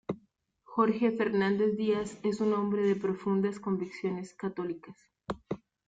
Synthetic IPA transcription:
xo̞ɾxe̞fe̞ɾnand̪e̞zd̪iase̞sunõ̞mbɾe̞ðe̞pɾo̞fund̪asko̞mbiksjo̞ne̞skat̪o̞likas

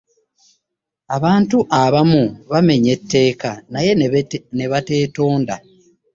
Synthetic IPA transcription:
aβaːntuʔaβamuβame̞ɲe̞tːe̞ːkanaje̞ne̞βate̞ːto̞ːnda

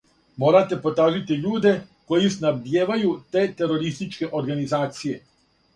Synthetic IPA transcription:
mo̞ːɾat̪e̞po̞t̪ɾaːʒit̪iʎuːd̪e̞ko̞jisnabd̪jeːʋajut̪e̞ːt̪e̞ɾo̞ɾist̪it͡ʃke̞ʔoɾɡanizaːt̪sije̞

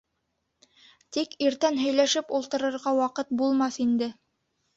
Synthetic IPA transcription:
t̪ikiɾt̪ænɦɵ̆jlæʃɘpulˠt̪ɤ̆ɾɤ̆ɾʁɑwɑqɤt̪̚bulˠmɑθind̪ɘ

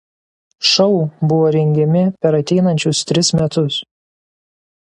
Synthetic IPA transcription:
ʃɒʊbʊʋoːɾʲɛŋʲɡʲɛmʲɪpʲɛɾɐt̪ʲɛɪnɐnʲt͡ʃʲʊst̪ʲɾʲɪsmʲɛt̪ʊs

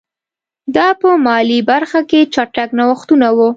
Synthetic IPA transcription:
d̪ɑpəmɑlibaɾxaket͡ʃaʈaknawəxt̪unawu

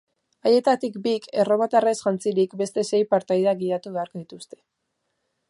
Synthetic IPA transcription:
aje̞t̪at̪ikbikʰe̞ro̞mat̪aresʝant͡siɾikbe̞st̪e̞se̞jpaɾt̪ajðaɣiɾat̪uβe̞aɾko̞ðit̪ust̪e̞̥

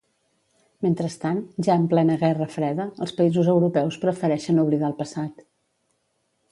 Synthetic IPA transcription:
ment̪ɾəst̪anʒaəmplɛnəɣɛrəfɾɛðəə̰lˠspəizuzəwɾupɛwspɾəfəɾɛʃənuβliðaəlˠpəsat̪

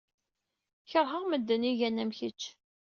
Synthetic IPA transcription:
çəɾˤɦəʁməd̪ːəniʝænæmçət͡ʃː

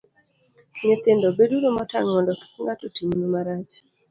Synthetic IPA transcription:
ɲet̪endɔbeduɾomɔta̰ŋmɔndɔki̥kŋɡatotimuɲomaɾat͡ʃ

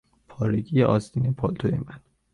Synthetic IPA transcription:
pʰɒːɾeɟijeʔɒːzd̪iːnepʰɒlt̪ʰojemæn

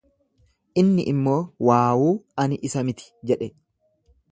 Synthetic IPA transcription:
ʔɪnːɪ̰ʔɪmːo̞ːwaːwuːɐnʔɪsɐmɪt̪ɪ̥d͡ʒɛᶑɛ

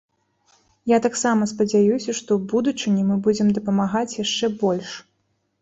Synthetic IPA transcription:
jat̪aksamɐspɐd͡zʲajusʲɐʂt̪ɔwbud̪ut͡ʂɨnʲimɨbud͡zʲɛmd̪ɐpɐmaɣat͡sʲjaʂt͡ʂɛbɔlʲʂ

